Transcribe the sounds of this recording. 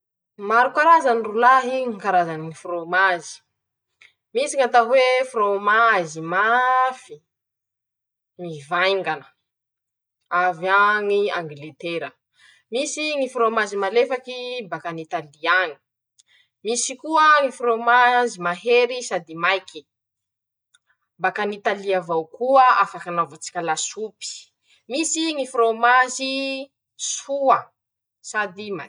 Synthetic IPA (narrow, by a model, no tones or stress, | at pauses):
maɾukaɾazanirulaɦiŋikaɾazaniŋifromazi̥ | misiŋat̪aɦwefromazimafi | ŋivajŋɡanə̥ | avaŋia̰ŋɡlet̪eɾə | misiŋifɾomazimalefakibakanit̪aliaŋi̥ | misikuəŋifromazimaɦeɾisad̪imajkʰi | bakanit̪aliavawkuəafakanavat͡si̥kʲalasupi̥ | misiŋifromazi | suə | sad̪ima̰